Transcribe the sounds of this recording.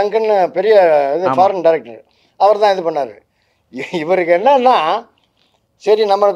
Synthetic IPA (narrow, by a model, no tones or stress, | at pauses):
ɐŋɡɐnːɐpɛɾɪjɐːðɯfaːɾɐnɖɐɪɾɛk̚ʈː | ɐʋɐɾt̪ãːɪðɯpɐɳːaːɾɯ̰ | ɪʋɐɾɯkːenːaːnãː | sɐɾinɐmːɐɭɯkː